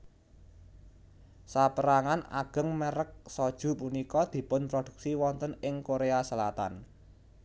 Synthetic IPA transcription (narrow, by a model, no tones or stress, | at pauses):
sapəɾaŋana̰ɡ̥ə̤ŋməɾək̚sɔd̥ʒ̥ṳpunikɔd̪̥i̤pʊnpɾod̪̥ṳk̚siwɔnt̪ənɪŋkoɾeasəlat̪a̰n